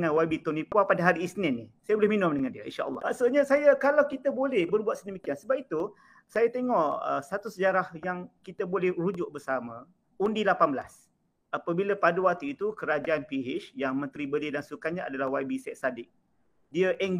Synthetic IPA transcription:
ŋanwabit̪onipuapadaɦaɾiːsnɪnisajabolɛhminʊmdəŋandiəḭnʃaʔə̰lˠːɑ̰ʔaʔsuɲasajakalawkit̪abolɛhbərbuat̪sədəmikiansəbap̚it̪u | sajat̪eŋɔʔə̰sat̪usəd͡ʒaɾahjaŋkit̪əbolɛhrud͡ʒʊʔ̚bərsamã | undilapanbəla̰s | apabilapaduwat̪uit̪ukəɾad͡ʒaanpiɦɪʃjaŋmə̃nt̪ɾibəlidaŋsukanɲaa̰dalahwabisɛtsadɪk̚ | diəʔɛŋ

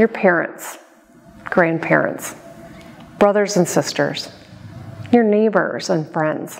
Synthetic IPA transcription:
jə˞pʰɛɹɨ̰̃nts | ɡ̥ɹæ̃npʰɛ̰ɹɨ̰̃nts | b̥ɹʌðə˞zə̃nsɪstə̰˞z̥ | jə˞neɪbə̰˞z̥ə̃nfɹɛ̃ndz̥

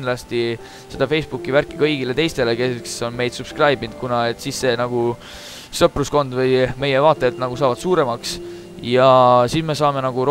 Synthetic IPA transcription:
nlɑst̪i | se̞d̪̥ɑfe̞jsb̥ukːˑiværkːˑikɤjɡ̥ile̞t̪e̞jst̪e̞le̞kekso̞nme̞jd̪̥sub̥skrɑjbind̪̚kunɑe̞t̪sisːe̞nɑɡ̥u | sɤprusko̞nd̪vɤjme̞je̞vɑːt̪ːˑeːt̪nɑɡ̥usɑːvɑd̪̥suːɾe̞mɑks | jɑsisme̞sɑːme̞nɑɡ̥uɾ

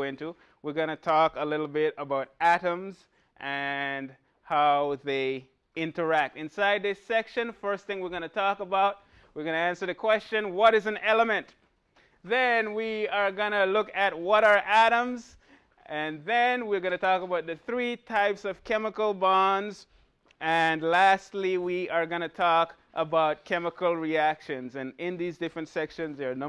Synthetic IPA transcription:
ɪ̃ntu | wiɹɡʌnɨtʰɔkəlɪɾl̩ˠbɪɾəbaʊɾæɾə̃mz | ʔɨ̃n | haʊðeɪ | ɪ̃ntə˞æk̚tɨ̃nsaɪd̪̚ðɪsɛkʃɨ̃nfɜ˞st̪θɪ̃ŋwiɹɡʌnɨtʰɔkəbaʊt̚ | wiɡʌñɨæ̃nsə˞ðɨkʰw̥ɛst͡ʃɨ̃nwʌɾɨzɨ̃nɛlˠəmɨ̃nt | ðɨ̃nwiə˞ɡʌnɨlʊkɨt̚wʌɾə˞ʔæɾə̃mz | ɨ̃nðɨ̃nwiə˞ɡʌñɨtʰɔkəbaʊt̪̚ðɨθɹitʰaɪpsʌv̥kʰɛməkl̩ˠbɑ̃nz | ʔɨ̃nlæstˡliwiə˞ɡʌñɨtʰɔk | ʔəbaʊt̚kʰɛməkl̩ˠɹiækʃɨ̃nzɨ̃nɪ̃nðizdɪfɹɨ̃ntsɛkʃɨ̃nzðə˞no

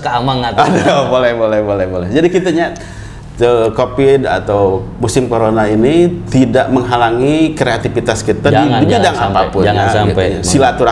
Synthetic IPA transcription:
kamaŋat̪adabolɛhbolɛhbolɛhbolɛhd͡ʒadikit̪aɲa | əkopɪda̰t̪awmusɪmkoɾonainit̪idaʔməŋɦalaŋikɾeat̪ifit̪askit̪aidibidaŋapapʊnŋaaaiɲassilat̪uɾa

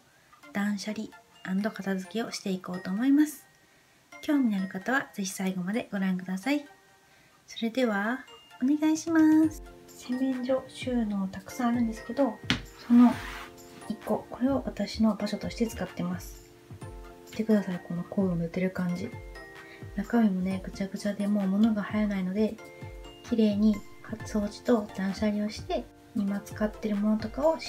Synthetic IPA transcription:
d̪̥ãɰ̃ɕaɾʲiãnd̪o̞kat̪azɨkʲio̞ɕi̥t̪e̞iko̞ːt̪oːmo̞imasɨ̥ | kʲo̞ːɲ̟inaɾɯ̟kat̪aβaz̥e̞çi̥saiɡo̞mad̪e̞ɡ̥o̞ɾãŋkɯ̟d̪asai | so̞ɾe̞d̪e̞β̞aone̞ɡaiɕimaːsɨ̥se̞mẽɲ̟d͡ʑo̞ɕɨːnoːt̪akɯ̟̥sãaɾɯ̟̃nd̪esɨ̥ke̞d̪o̞so̞no̞ | ikːo̞ko̞ɾe̞oβat̪aɕino̞baɕo̞t̪o̞ɕi̥t̪e̞t͡sɨ̥kat̪ːe̞masɨ̥ | i̥t̪ːe̞kɯ̟d̪asaiko̞no̞ko̞ːionɯ̟t̪e̞ɾɯ̟kãɲ̟d͡ʑi | nakamʲimo̞ne̞ɡɯ̟t͡ɕaɡɯ̟t͡ɕad̪e̞mo̞ːmo̞no̞ɡahajanaino̞d̪e̞ | kʲiɾe̞ːɲ̟i | hat͡sɨo̞ːt͡ɕi̥t̪o̞d̪̥ãɰ̃ɕaɾʲio̞ɕi̥t̪e̞ | imat͡sɨ̥kat̪ːe̞ɾɯ̟mo̞no̞t̪o̞kao̞

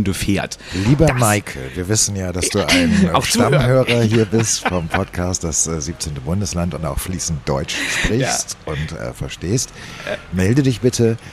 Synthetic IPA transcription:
nduːfeːɐtliːbɐmaɪkʰl̩viːɐvɪsn̩jaːdasd̥uːʔa̰ɪnʃamɦøːʁɐhiːɐbɪstffɔmpʰɔtkʰaːstd̥asɛziːp̚t͡seːntəbʊndəslantʊnta̰ʊxfliːsn̩td̥ɔʏt͡ʃʃpʁ̥ɪçstʊntʔɛ̰ːfɛɐʃteːstmɛldədɪçb̥ɪtʰə

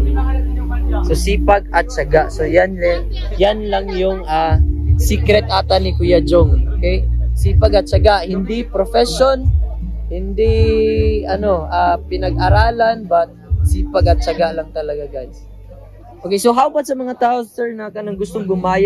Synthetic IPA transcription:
sosiːpaɡ̚ɐt̪̚t͡ʃaɡaʔsojanlaŋ | janlaŋjʊŋasiːkɾɛt̪̚ʔaːt̪anɪkʊjad͡ʒoŋokɛjsiːpaɡɐt̪̚t͡ʃaɡaʔhɪnd̪ɪpɾofɛʃonhɪnd̪ɪ | ɐnoʔaːpɪnɐɡaɾaːlanbat̪̚siːpaɡɐt̪̚t͡ʃaɡaʔlaŋt̪ɐlɐɡaɡans | ʔokejsoɦawbat̪sɐmɐŋat̪aːʔosɛɹnɐkɐnaŋɡʊst̪oŋɡʊmaːja

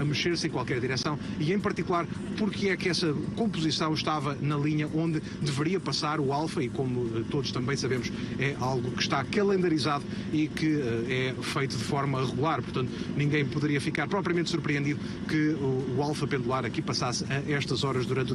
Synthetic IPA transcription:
ɐmɨʃeɾsẽj̃kwalˠkɛɾðiɾɛsɐ̃w̃ | iẽj̃pɐɾt̪ikulˠaɾpuɾkɨɛkɛsɐkõmpuzisɐ̃w̃ʃt̪avɐnɐlˠiɲɐʔõnd̪ɨ | d̪ɨvɨɾiɐpɐsaɾualˠfɐikomuɛt̪oðuʃt̪ɐ̃mbɐ̃j̃sɐβemʊʃɛʔalˠɣukɨ̥ʃt̪akɐlˠẽnd̪ɐɾizaðu | ikɨɛɛfejt̪uðɨfɔɾmɐiʁɨɣulˠaɾpuɾt̪ɐ̃nt̪unĩŋɡɐ̃j̃puðɨɾiɐfikaɾpɾɔpɾiɐmẽnt̪suɾpɾiẽnd̪iðu | kɨuːalˠfɐpẽnd̪ulˠaɾɐkipɐsasɛɛʃt̪ɐzɔɾɐʒðuɾɐ̃nt̪

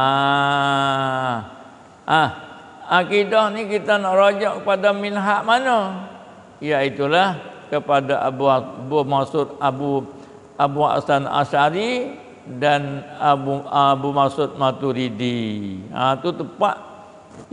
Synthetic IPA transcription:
a | ʔa | akidɔhnikit̪anaʔɾod͡ʒɔʔkəpadaminɦaʔmanə | jait̪ulahkəpadaʔbubumasʊt̪̚abu | abua̰sana̰saɾi | danauabumasʊt̪̚mat̪uɾidia̰t̪ut̪əpa̰ʔ

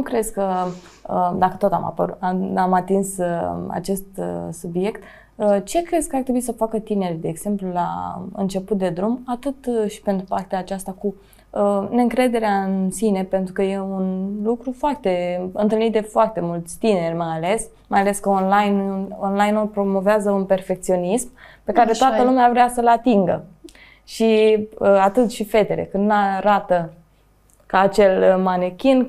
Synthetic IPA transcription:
nukɾe̞zkə | əd̪akə̥t̪o̞t̪a̰ma̰pəɾṵt̪aamat̪insa̰t͡ʃe̞st̪subje̞kt̪ | ət͡ʃe̞kɾe̞zkəart̪ɾebuisəfakət̪ine̞rʲd̪e̞ːɡz̥e̞mplula̰ɨ̰nt͡ʃe̞put̪̚d̪e̞d̪ɾumat̪ɨt̪ʃi̥pe̞nt̪ɾupart̪eaːt͡ʃast̪aku | əneɨŋkɾe̞d̪e̞ɾeaɨnsine̞pe̞nt̪ɾukəje̞unlukɾufoart̪e̞ɨnt̪ɨlnit̪d̪e̞foart̪e̞mult̪sʲt̪ine̞rʲmajale̞s | majale̞skəonlajnonlajnulpɾo̞mo̞veazəunpe̞rfe̞kt̪sio̞nismpe̞kaɾe̞t̪oat̪əlumeavɾeasəlat̪iŋɡə | ʃiəat̪ɨt̪ʃife̞t̪eɾḛkɨnd̪naɾat̪ə | kaːt͡ʃe̞lmanekʲin

